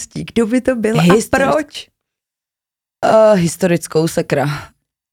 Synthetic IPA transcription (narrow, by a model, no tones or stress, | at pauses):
sciːɡdobɪt̪obɪlɦaɪspɾot͡ʃ | ɦɪst̪oɾɪt͡skowsɛkɾa